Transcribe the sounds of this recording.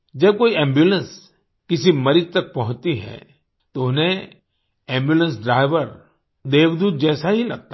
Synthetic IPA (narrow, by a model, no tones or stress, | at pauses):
d͡ʒɐb̚koːiɛ̃ːmbjulə̃ns | kɪsimɐɾɪd͡ʒt̪ɐk̚pɐɦʊ̃t̪iɦɛ̰ː | t̪oʊnẽ | ɛ̃ːmbjuːlə̃nsɖɾaːɪʋəɾ | d̪eːʋd̪uːt̪̚d͡ʒɛːsaɦilɐɡ̚t̪a